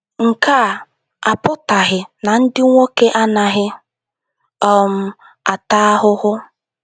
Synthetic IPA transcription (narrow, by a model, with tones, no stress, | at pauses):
ŋ̩˨ka˦˨ | a˨pʊ˦ta˨ɦɪ˨na˨n̩˦dɪ˦ŋʷo˦ke˦ʔa˦na˨ɦɪ˦ | ɔ˦m̩˦ | a˨ta˦ɦʊ˦ɦʊ˦